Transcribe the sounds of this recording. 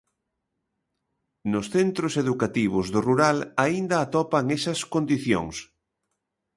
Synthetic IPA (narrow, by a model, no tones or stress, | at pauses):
nʊsθent̪ɾʊseðukat̪iβ̞ʊzðoruɾalaind̪ɐːt̪ɔpaŋesɐskond̪iθjo̰ŋs